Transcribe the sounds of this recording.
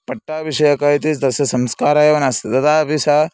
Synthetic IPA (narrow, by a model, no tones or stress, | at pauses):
pɐʈːaːʋiʂɐjɐkaːit̪isd̪ɐsɐsɐmskaːɾaːjɐʋɐnast̪t̪ɐt̪aːbisa